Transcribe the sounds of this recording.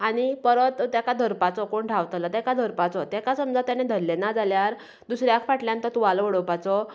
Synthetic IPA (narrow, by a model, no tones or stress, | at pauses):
aɽ̃ipəɾət̪t̪ːjakad̪ʱəɾpat͡sɔkoɳʈʰaʋt̪lat̪jakad̪ʱəɾpat͡sɔt̪jakasəmd͡zat̪janed̪ʱəɾlenad͡zaljaɾ | d̪usɾjakʰfaʈljãnt̪ət̪uʋalʋəɽɔpat͡sɔ